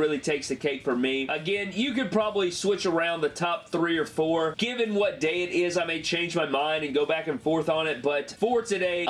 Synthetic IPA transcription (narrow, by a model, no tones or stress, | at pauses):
ɹɪlˠitʰeɪksðɨkʰeɪkfə˞miʔɨɡɛ̃njɨkɨd̚pʰɹ̥ɑbəbliswɪt͡ʃə˞ãʊ̃nðɨtʰɑp̚θɹiə˞fɔɹɡ̥ɪvɨ̃nwʌt̚d̥eɪɨɾɪzaɪmeɪt͡ʃʰẽɪ̃nd͡ʒmaɪmãɪ̃ndɨ̃nɡoʊbækɨ̃nfɔɹθn̩ɪt̚b̥ʌtfəɹtʰɨɾeɪ